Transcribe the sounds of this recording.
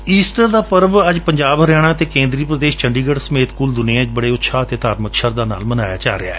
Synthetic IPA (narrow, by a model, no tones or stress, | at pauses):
iːsʈəɾd̪aːpəɾbəd͡ʒpəɲd͡ʒaːbɦəɾjaːɽ̃ãːt̪eːkẽːnd̪ɾiːpɾəd̪eːʃt͡ʃəɳɖiːɡəɽsəmeːt̪kʊld̪ʊnijãːd͡ʒbəɽeːʊtːʃʰaːt̪eːt̪aːɾməkʃəɾd̪aːna̰ːlmənaːja̰ːt͡ʃa̰ːɾea̰ːɛ